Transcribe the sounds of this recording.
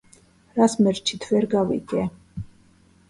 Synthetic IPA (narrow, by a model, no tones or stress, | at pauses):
ɾasmɛɾt͡ʃʰit̪ʰvɛɾɡavḭkʼɛ